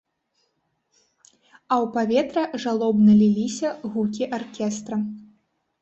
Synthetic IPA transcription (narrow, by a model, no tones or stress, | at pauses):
ɐwpavʲɛt̪ɾɐʐalˠɔbnɐlʲilʲisʲɐɣukʲiʔarkʲɛst̪ɾɐ